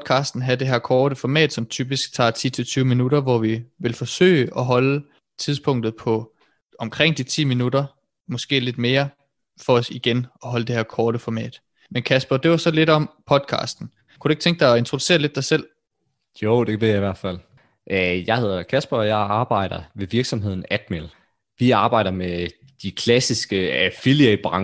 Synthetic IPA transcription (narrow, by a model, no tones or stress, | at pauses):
d̥̚kʰɑ̈ːsd̥n̩ɦæd̥e̝ɦæɐkʰɒːɾ̥əfɒmɛ̰ːd̥sɒ̽mt͡sʰyːb̥isɡ̥̚t͡sʰɑ̰̈ːt͡sʰḭːt͡sʰe̝lt͡sʰyːʊminuɾɐʋɒʋiʋe̝lfɒ̽sø̰ːɪʔɒɦɒ̽lə | t͡sʰiðˠspʰɔ̽ŋ̰d̥ð̩ˠpʰɒ̽ | ɒ̽mkʰʁeŋ̰d̥it͡sʰḭːminud̥ɐ | mɒ̽sɡ̥e̝̰ːle̝d̥me̝ːɐ | fɒ̽ɒ̽siɡ̥enɒ̽ɦɒ̽ləd̥e̝hæɐkʰɒːɾ̥əfɒmɛ̰ːd̥ | menkʰæsb̥ɐd̥e̝ʋɑsɒ̽le̝d̥ɒ̽mpʰɒ̽d̥̚kʰɑ̰̈ːsd̥n̩ | kʰuɾ̥ueɡ̥̚t͡sʰeŋɡ̥əd̥ɑ̈ɪɒe̝nt͡sʰʁo̝duse̝̰ːɐle̝d̥ɑ̈ɪsel̰ | joʊ̰d̥eʋe̝̰jɑ̈iʋæɐ̰d̥fæl̰ | ʔjɑ̈ɪhe̝ð̞̰ˠɐkʰæsb̥ɐɒjɑ̈ɪɑ̈ːb̥ɑ̈ɪ̰ɾ̥ɐʋe̝ʋiɐɡ̥sɒ̽mɦe̝ð̞̰ˠn̩æd̥mel | ʋiɑ̈ːb̥ɑ̈ɪ̰ɾɐme | d̥ikʰlæsisɡ̥əæfilieb̥ʁɑŋ